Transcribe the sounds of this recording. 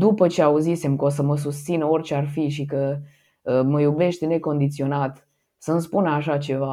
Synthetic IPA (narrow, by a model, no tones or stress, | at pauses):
d̪upət͡ʃe̞auzisemkos̬əməs̬ust̪sinəo̞rʲt͡ʃearfiʃ̬ikə | əməjube̞ʃt̪ʲne̞ko̞nd̪it̪sio̞nat̪ | sənspunaʃat͡ʃe̞va